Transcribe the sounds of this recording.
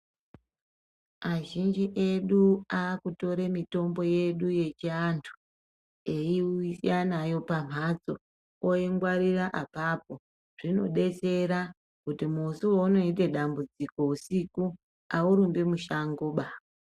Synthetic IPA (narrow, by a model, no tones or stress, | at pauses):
aʒind͡ʒiʔeɗuakuto̞ɾe̞mito̞mbo̞je̞ɗuje̞t͡ʃiantʰu̥ | eiisianajo̞pam̤ʱad͡zo | oiŋɡwaɾiraʔapap̚o̞ | ʐ̥ino̞ɗe̞t͡se̞ɾa | kutimusuoːno̞ite̞ɗambud͡ziko̞usiku | auɾumbemuʃaŋɡoːɓa